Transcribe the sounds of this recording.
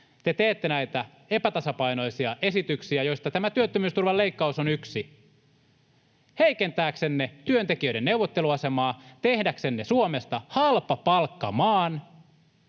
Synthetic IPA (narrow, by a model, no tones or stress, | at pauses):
t̪et̪eːt̪ːenæit̪æ | e̞pæt̪ɑsɑpɑino̞isiɑʔesit̪yksiæjo̞ist̪ɑt̪æmæt̪yøt̪ːømyːst̪urʋɑleikːɑusonyksi | heikent̪æːksenːet̪yønt̪ek̟iøiɾenneuwʋːot̪ːeluɑse̞mɑːt̪ehdæksenːesuome̞st̪ɑhɑlpɑpɑlkːɑmɑːn